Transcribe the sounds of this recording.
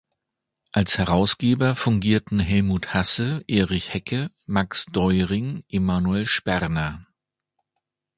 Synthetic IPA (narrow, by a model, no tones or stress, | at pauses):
ʔalshɛʁaʊsɡ̥eːbɐfʊŋɡiːɐtn̩ɦɛlmuːthasəʔeːʁɪçhɛkʰə | maksd̥ɔʏʁɪŋʔemaːnuɛlʃpɛʁnɐ